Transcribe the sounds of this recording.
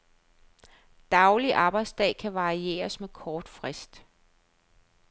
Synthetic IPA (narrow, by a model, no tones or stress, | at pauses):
d̥ɑ̈ʊliʔɑ̈ːb̥ɑ̈ɪd̥sd̥ɛ̰ːkʰæʋɑ̈ʁie̝̰ːɐsmekʰɒːd̥fʁɛsd̥